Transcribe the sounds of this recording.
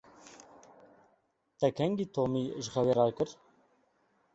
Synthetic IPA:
t̪ɛkʰɛŋɡiːt̪ʰoːmiʒxɛweɾɑːɾkɨɾ

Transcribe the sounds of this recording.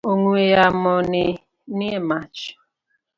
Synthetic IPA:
oŋuejamɔnɪ | niemat͡ʃ

